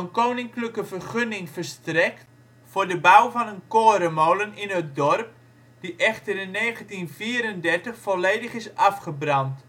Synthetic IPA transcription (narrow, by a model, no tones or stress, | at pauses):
ənkoːnɪŋkləkəvərχønɪŋfərstrɛkt | fʊːrdəbawvɑnənkoəɾəmowlənɪnət̚dɔrp̚ | d̥iʔɛxtərəneːɣəntinviəɾəndɛrtəχfɔleːdəχɪsɑfχəbrɑnt